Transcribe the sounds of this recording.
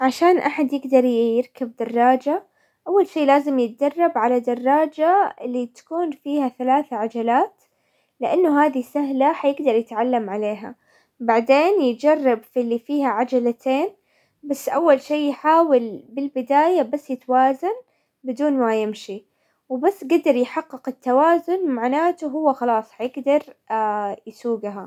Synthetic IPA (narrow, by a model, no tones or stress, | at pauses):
ʕaʃaːnʔaħad̪jɪɡd̪ɑɾˤjjɪɾkab̚d̪ɑrˤːɑːd͡ʒa | ʔawːalʃiːlaːzɪmjɪt̪̚d͡ʒɑrˤːɑbʕalad̪ɑrˤːɑːd͡ʒaɪlːit̪ḁkuːnfiːhaθalaːθaʕad͡ʒalaːt̪ | lɪʔanːʊɦaːd̪isaɦlaħajɪɡd̪ɑɾˤjɪt̪ʕalːamʕaleːɦa̰ | baʕd̪eːnjɪt̪d͡ʒɑrˤːɑbfilːifiːhaʕad͡ʒalat̪ʰeːn | basːʔawːalʃiːjħaːwɪlbɪlbɪd̪aːjabasːjɪt̪waːzan | bɪd̪uːnmajɪmʃi | wbasːɡad̪ɑɾˤjħɑqːɨqɪt̪ːawaːzʊnmaʕnaːt̪ʊɦʊwːaxɑlɑːsˤħajɪɡd̪ɑɾˤ | jsuːɡɦa